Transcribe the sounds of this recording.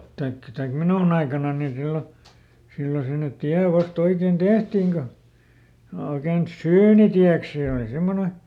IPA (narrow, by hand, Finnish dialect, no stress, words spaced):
tɑikːɑ̆ tɑik minuˑn ɑikɑnɑnːi silːo silːo sinːet̆ tiæ ʋɑst oiken tehtiˑŋ ko oiken syːnitiæks seˑ oˑli semːone